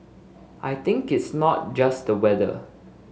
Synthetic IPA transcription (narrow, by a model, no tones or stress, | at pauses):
ʔajt̪ɪ̃ŋkɪtsnɔt̚d͡ʒasdəwɛdə̰